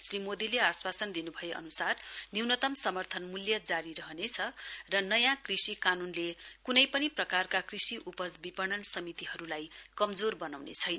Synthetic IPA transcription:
srimod̪ileaswasʌnd̪inubʱʌjeʔʌ̰nusarniwnʌt̪ʌmsʌmʌrt̪ʰʌnmuljʌd͡zaɾiɾʌɦnet͡sʰʌrʌnʌjãkrisikanunlekunʌjpʌniprʌkarkakrisiʔupʌd͡zbipʌɽʌnsʌmit̪iɦʌɾulajkʌmd͡zorbʌnawnḛt͡sʰʌjn

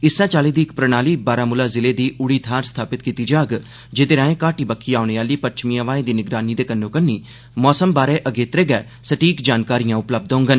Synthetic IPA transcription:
ɪsãːt͡ʃaːleːd̪iːɪkpɾənaːliːbaːɾaːmʊlaːzɪleːd̪iːʊɽiːt̪ʰaːɾst̪ʰaːpɪt̪̚kiːt̪iːd͡ʒaːɡ | d͡ʒet̪eːɾãːẽːkaːʈiːbəkʰːiːaːʊɳeːaːliːpəɾt͡ʃmijãːʋaːẽːd̪iːnɪɡɾaːniːd̪eːkənːõːkənːiː | mɔːsəmbaːɾeːʔəɡeːt̪ɾeːɡɛː | səʈiːkd͡ʒaːnkaːɾijãːʊpləb̚d̪oʊ̃ŋɡən

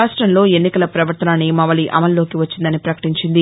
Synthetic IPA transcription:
aːʂʈɾɐmlo̞ːe̞nːikɐlɐpɾɐʋɐɾt̪ɐnaːnːimɐʋɐliʔɐ̰mɐlːoːkiʋɐt͡ʃːind̪ɐnipɾɐkɐ̥ʈiɲt͡ʃind̪i

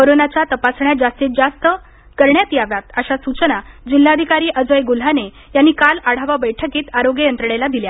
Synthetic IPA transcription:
koɾonat͡ɕjat̪əpasɳjad͡zast̪iːt̪̚d͡zast̪ə | kəɾɳjat̪iaʋjat̪əɕasut͡ɕənad͡ʑil̤ːad̪ʱikaɾiːʔəd͡zʋəjɡul̤ane | janːikalaɽ̤aʋabəjʈʰəkiːt̪aɾoɡejənt̪ɾəɽelad̪ilja

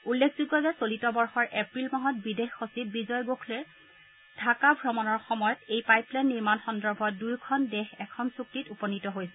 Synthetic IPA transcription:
ulːekʰzuɡːɔzɛsolitɔbɔɹxɔɹʔepɹilmaɦɔt̚bidexːosip̚bizɔjɡokʰlɛɹ | d̥ʱakabʱɹɔmɔnɔɹxɔmɔjɔtejpajplanːiɹmanxɔndɔɹbʱɔdujkʰɔndɛxɛkʰɔnsuk̚titupɔnitɔɦojsɛ

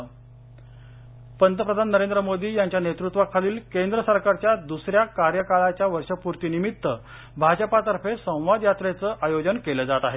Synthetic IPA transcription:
pənt̪əpɾəd̪ʱanːəɾend̪ɾəmod̪iːjaɲt͡ɕjanet̪ɾut̪ʋakʰaliːlkend̪ɾəsəɾkaɾt͡ɕjad̪usɾjakaɾjəkaɭat͡ɕjaʋəɾʂəpuɾt̪iːnimit̪ːə | bʱad͡ʑəpat̪əɾfesə̃w̃ʋad̪jat̪ɾet͡səʔajod͡ʑənkeləd͡zat̪aɦe

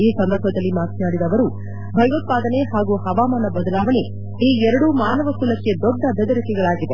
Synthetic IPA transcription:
iːsɐnd̪ɐɾbʱɐd̪ɐlːimaːt̪naːɽid̪ɐʋɐɾu | bʱɐjʋɐt̪̚paːd̪ɐne̞ɦaːɡuhɐʋaːmaːnɐbɐd̪ɐlaːʋɐne̞ | iːɛɾɐɽumaːnɐʋɐkulɐkːe̞d̪ɔɖːɐbʱɐd̪ɐɾikɛɡɐɭaːɡid̪e̞

